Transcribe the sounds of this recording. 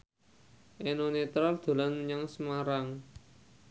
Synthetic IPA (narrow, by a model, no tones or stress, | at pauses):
ʔenonet̪ɾald̪̥o̤lanɲaŋsəmaɾaŋ